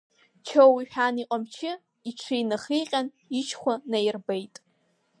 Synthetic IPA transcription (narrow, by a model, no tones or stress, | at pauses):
t͡ʃʰowiħᶣaniqʼamt͡ʃʰɪ | iʈ͡ʂʷʰijnɨχijqʲʼan | it͡ʃʰχʷanajrbejtʼ